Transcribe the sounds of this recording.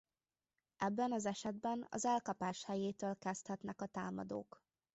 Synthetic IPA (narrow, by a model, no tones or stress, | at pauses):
ʔɛbːɛnɒzɛʃɛd̪̚bɛnɒ̰zɛlkɒpaːʃhɛjeːt̪øːlkɛst̪hɛt̪nɛkɒt̪aːmɒ̰d̪o̰ːk